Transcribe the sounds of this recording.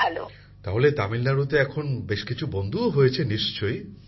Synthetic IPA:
alo̰ | t̪aɦolet̪amilnaɾut̪eɛkʰonbeʃkit͡ɕʰubond̪ʱuoɦojet͡ɕʰeniʃt͡ɕoj

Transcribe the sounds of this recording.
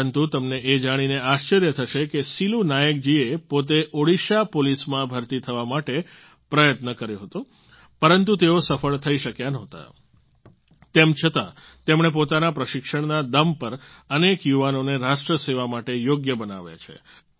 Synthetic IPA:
ənt̪ut̪əmneʔed͡ʒaɽ̃ineaʃt͡ʃəɾjət̪ʰəʃekesilunajək̚d͡ʒiepot̪̬eʔoɽiʃapolismãbʱəɾt̪it̪ʰəʋamaʈe | pɾəjət̪nəkəɾjõɦət̪ũ | pəɾənt̪ut̪eosəfəɭt̪ʰəiʃəkjanɔɦt̪a̰ | t̪emt͡ʃʰət̪a | t̪emɽ̃ep̬ot̪anapɾəʃɪkʃəɳnad̪əmpəɾənekjuʋanoneɾaʃʈɾəseʋamaʈejoɡjəbənaʋja̰t͡ʃʰḛ

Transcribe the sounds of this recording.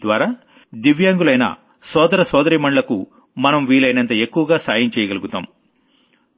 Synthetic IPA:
d̪ʋaːɾaː | d̪iʋjaːŋɡulɐjnɐ̰ | sɔːd̪ɐɾɐsɔːd̪ɐɾiːmɐɳɖlɐkṵ | mɐnɐmʋiːɭɐjnɐnt̪ɐe̞kːuʋɐɡaːsaːjɐmt͡ʃɛːjɐɡɐluɡut̪a̰ːm

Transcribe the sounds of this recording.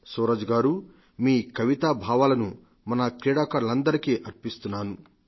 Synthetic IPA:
soːɾɐd͡ʒɡaːɾu | miːkɐʋit̪aːbʱaːʋaːlɐnu | mɐnɐkɾiːɽaːkaːɾulɐnd̪ɐɾikiʔɐɾpist̪unːaːnu

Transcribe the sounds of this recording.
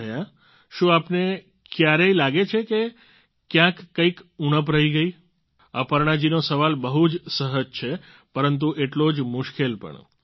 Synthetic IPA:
əja | ʃũapne | kjaɾeilaɡet͡ʃʰeke | kjãkːəikunəp̬ɾəiɡəi | əpəɾɳ̃ad͡ʒinosəʋalbəɦud͡ʒsəɦəd͡ʒt͡ʃʰe | pəɾənt̪̬uʔeʈlod͡ʒmʊʃkelpə̰ɳ

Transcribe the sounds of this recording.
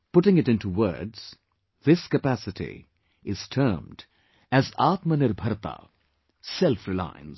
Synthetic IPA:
pʊʈɪ̃ŋɪʈɪ̃ntuwə̰˞dz̥ | ðɪskəpæsɪʈḭ | ɪz̥tʰəːmd | æzaːt̪mənɪɾbʱʌɾt̪a̰ | sɛlfɾɪlã̰ɪ̃nz̥

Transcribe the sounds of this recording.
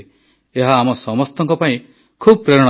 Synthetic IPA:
eɦaːmɔsɔmɔst̪ɔŋkɔpaĩ | kʰubɔpɾeɾɔɽ̃

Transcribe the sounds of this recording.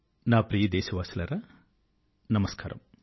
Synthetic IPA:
naːpɾijɐd̪eːsɐʋaːsilɐɾɐ | nɐmɐskaːɾɐ̰m

